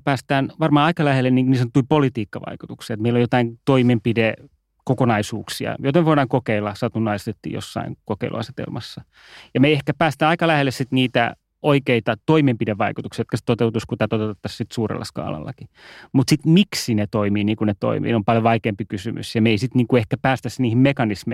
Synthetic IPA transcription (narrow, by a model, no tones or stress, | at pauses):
pæːst̪æːnʋɑrmɑːɑikɑlæhelːeniːŋkuniːsɑnot̪ːuipolit̪iːkːɑʋɑ̰ikut̪uksiɑet̪meilːojot̪ɑint̪oimempide | kokonɑisuːksiɑ̰jot̪ɑmeʋoiɾɑːŋkokeilːɑsɑt̪unːɑist̪et̪ːḭːjo̰sːɑ̰iŋkokeilʔṵɑ̰se̥t̪ḛlmɑsːɑ | jɑmeiehkæpæːst̪æːnɑikɑlæhelːessit̪niːt̪æ̰ | ʔoikeit̪ɑt̪oimempideʋʋɑikut̪uksijɑot̪̚kɑse̥t̪ot̪eut̪uskut̪æːt̪ot̪et̪ːɑssit̪suːrḛlːɑ̰skɑ̰ːlɑ̰lːɑ̰ki | mut̪sit̪miksinet̪oimiːniːŋkunet̪o̰imḭːneompɑljoʋɑikeːmpikysy̰mʔy̰sjɑmeisit̪niːŋkuehkæpæːst̪æsniːhimmekɑnisme